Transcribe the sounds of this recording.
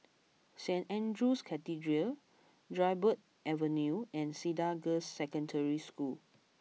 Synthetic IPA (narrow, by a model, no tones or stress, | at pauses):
sɛ̃ntɛ̃ndɹuskʰɛtidɹiə | dɹaɪbət̚ | ɛvə̃njuɛ̃nsidaɡəsːɛkə̃ndəɹiskul